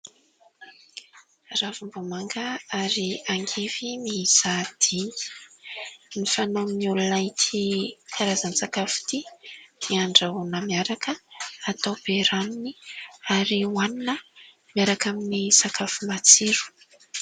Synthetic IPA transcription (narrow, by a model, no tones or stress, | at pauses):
ravumbomaŋɡaaɾiaŋɡevimiiz̥ad̪̥ini̥ | nifanamiulunajt̪ikʰaɾazansakafu̥t̪imiaɳɖ͡ʐaunəmiaɾakəat̪awb̥eɾaniniaɾiwaninə | miaɾakaminisakʰafumat͡siɾu̥